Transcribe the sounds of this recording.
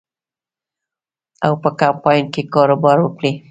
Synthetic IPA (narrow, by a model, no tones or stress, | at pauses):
awpəkampɑjnkekɑɾobɑɾwəkɽi